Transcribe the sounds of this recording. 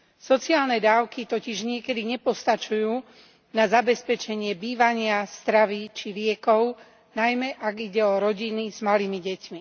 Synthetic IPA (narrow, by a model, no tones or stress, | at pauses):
sɔt͡siaːlnɛd̪aːʊkit̪ɔciʒɲɪɛkɛd̪iɲɛpɔst̪at͡ʃujuː | nazabɛspɛt͡ʃɛɲɪɛbiːʋaɲɪast̪ɾaʋit͡ʃilɪɛkɔʊ | najmɛʔaɡiɟɛɔɾɔɟiniz̥maliːmiɟɛcmi